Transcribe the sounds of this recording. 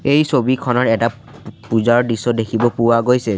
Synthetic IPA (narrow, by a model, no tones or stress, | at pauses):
ejsobikʰɔnɔtɛta | puzaɹdisɔdekʰibɔpʊwaɡojsɛ